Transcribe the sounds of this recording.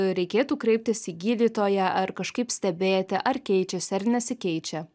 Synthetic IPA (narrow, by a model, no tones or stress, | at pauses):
ɾʲɛɪkʲeːt̪uːkɾʲɛɪp̚t̪ʲɪsiɡʲiːlʲiːt̪oːjɛʔɐɾkɐʃkɐɪpsʲt̪ʲɛbʲeːt̪ʲɪʔɐɾkʲɛɪt͡ʃʲɛsʲɐɾnʲɛsʲɪkʲɛɪt͡ʃʲɛ